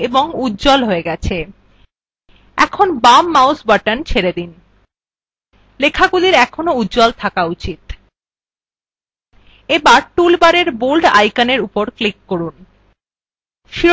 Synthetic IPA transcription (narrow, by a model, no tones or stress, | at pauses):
eboŋudd͡ʑɔlɦoeɡɛt͡ɕʰe | ɛ̰kʰonbamːawsbaʈant͡ɕʰeɾed̪in | lekʰaɡuliɾɛkʰonoudd͡ʑɔlt̪ʰakaut͡ɕit̪ | ebaɾʈulbaɾeɾbolɖa̰jkaneɾupoɾklikːoɾun | ʃi